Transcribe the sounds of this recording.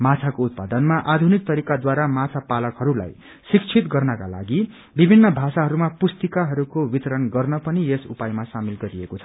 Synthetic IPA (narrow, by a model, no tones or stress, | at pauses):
mat͡sʰakout̪̚pad̪ʌnmaʔad̪ʱunik̚t̪ʌɾikad̪waɾamat͡sʰapalʌkɦʌɾula̰j | sik̚t͡sʰit̪ɡʌrnʌka̰la̰ɡi | bibʱinːʌbʱasaɦʌɾumapust̪ikaɦʌɾukowit̪ʌɾʌnɡʌrnʌpʌniesṵpajmasamilɡʌɾiekot͡sʰʌ̥